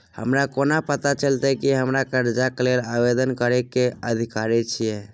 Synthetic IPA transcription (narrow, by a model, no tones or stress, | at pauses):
hə̰mɾakonapət̪at͡ʃəlt̪ɛkiɦəmɾakəɾd͡ʒaklelabed̪ənkəɾɛkeəd̪ʱikaɾɛt͡ʃʰijɛ